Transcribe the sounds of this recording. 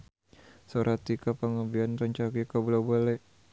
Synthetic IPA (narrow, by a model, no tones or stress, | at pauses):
soɾʔat̪ikapaŋabianrəɲt͡ʃaɡikabulabalɛʔ